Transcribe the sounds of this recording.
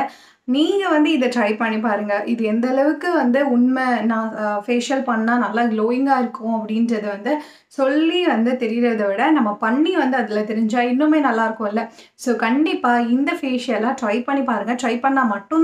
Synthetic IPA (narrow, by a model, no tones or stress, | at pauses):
niːŋɡɐʋɐnd̪ɯɪðɐʈɾɐɪpɐɳːipaːɾɯŋɡɐʔɪðɯɛnd̪ɐlɐʋɯkːɯʋɐnd̪ɯʊɳmɛnãːfeːʂɐlpɐɳːãːnɐlːaːɡloːɪŋɡaːɪɾɯkːʊ̃ɐpːɐɽɪnɾɐðɯʋɐnd̪ɯ | sɔlːiʋɐnd̪ɯt̪ɛɾɪjɾɐðɯʋɪɽɐnɐmːɐpɐɳːiʋɐnd̪ɯɐðɪlɐt̪ɛɾɪɲd͡ʒaːɪnːɯmeːnɐlːaːɪɾɯkːõːɪlːɐ | soːkɐɳɖɪpːaːɪnd̪ɐfeːʂɪjɐlãːʈɾɐɪpɐɳːipaːɾɯŋɡɐʈɾɐɪpɐɳːaːmɐʈːɯ̃